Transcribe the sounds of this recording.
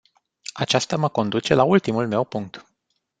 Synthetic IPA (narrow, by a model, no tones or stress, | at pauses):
at͡ʃast̪aməko̞nd̪ut͡ʃe̞lault̪imulme̞wpuŋk̚t̪